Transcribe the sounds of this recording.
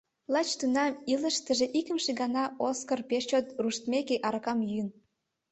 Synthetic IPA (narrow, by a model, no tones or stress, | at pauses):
lɑt͡ɕt̪unɑmilə̆ʃt̪ə̆ʒeʔikə̆mʃeɡɑnɑʔoskərpeʃt͡ɕot̪ruʃt̪mekeʔɑɾkɑmjyən